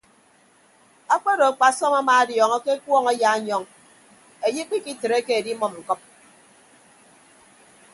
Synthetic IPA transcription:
a˦k͡pe˦ɾo˨a˨k͡pa˨sɔ˦ma˦maː˨a˦djɔ˨ŋɔ˦ke˦kwɔ˦ŋa˦ja˨˦ɲɔ˦ŋ | e˨ji˦k͡pi˦ki˦tɨ˨ɾe˦ke˦e˨di˦mɔ˦˨m̩˨kɔ˦p̚

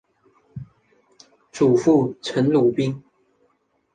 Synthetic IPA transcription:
ʈ͡ʂu˨˩fu˥˩t͡sʰə˨˧˥nlu˨˩pi˥ŋ

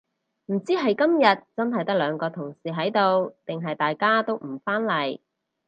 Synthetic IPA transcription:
m̩˨˩t͡siː˥ɦɐ˨jkɐ˥mjɐ˨˩t̚t͡sɐ˥nɦɐ˨jt̪ɐ˥lœː˨˧ŋkɔː˧t̪ʰʊ˨˩ŋsiː˨ɦɐ˨˥jt̪o˧wt̪ɪ˨ŋɦɐ˨jt̪aː˨jkaː˥t̪o˥wm̩˨˩faː˥nlɐ˨˩j

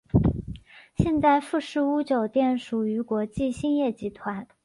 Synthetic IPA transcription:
ɕjɛ˥˧nt͡sa˥˧ɪfu˥˧ʂɻ̩˥˩u˥t͡ɕjo˨˩ʊt̪jɛ˥˩nʂu˨˩y˧˥kwɔ˧˥t͡ɕi˥˩ɕi˥˧njɛ˥˩t͡ɕi˧˥t̪ʰwa˧˥n

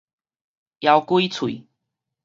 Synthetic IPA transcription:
ja˧wkwi˦t͡sʰwḭ˨

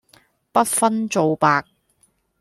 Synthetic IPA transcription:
pɐ˥t̚fɐ˥nt͡so˨˧wpaː˧k̚

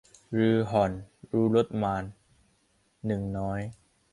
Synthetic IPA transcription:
ɾɯː˧ɦɔ˨˩nɾuː˦˥lo˦˥t̪̚maː˧n | ɯ˨˩ŋnɔː˦˥j

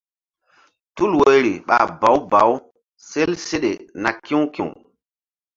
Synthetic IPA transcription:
tu˦lwe˨ɾi˨ɓa̰˨ba˨˦wba̰˨˦w | se˦lse˦ɗḛ˨na˨kĩ˦wkḭ̃˨w

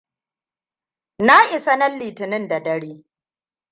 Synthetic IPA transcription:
na˦ʔɪ˨sa˦nɐ˦lːiː˨tɪ˨nɪ˦nda˨dɐ˦ɽeː˦

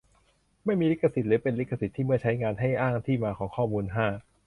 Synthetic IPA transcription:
ma˥˩jmiː˧li˦˥kʰːa˧˩si˨˩t̪̚ɾɯː˩˦pe˧nli˦˥kʰːa˧si˨˩t̪ʰːiː˥˩mɯ˥˩ɐt͡ɕʰa˦˥jŋaː˧nɦa˥˩jʔaː˥˩ŋt̪ʰiː˥˩maː˧kʰɔː˩˦ŋkʰɔː˥˩muː˧nɦaː˥˩

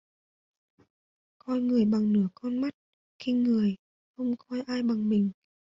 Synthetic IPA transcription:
kɔ˧nŋɨ˨˩əjɓa˨˩ŋnɨ˧˦əkɔ˧nma˦˥t̚ | xi˧ŋɨ˨˩əj | xə˧wŋ͡mxɔ˧jʔaː˧jɓa˨˩ŋmï˨˩ŋ̟

